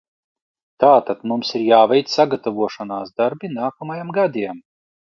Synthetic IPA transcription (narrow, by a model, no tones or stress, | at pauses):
t̪aːt̪ad̪mumsiɾjaːvɛjt̪saɡat̪avuɔʃanaːsd̪aɾbinaːkɔmajamɡad̪iɛm